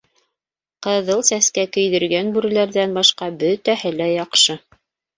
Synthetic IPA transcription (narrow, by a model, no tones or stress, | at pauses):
qɤ̆ðɤlˠsæskækɵ̆jðɘ̆ɾɡænbʉɾɘ̆læɾðænbɑʃqɑbɵt̪æhɘlæjɑqʃɤ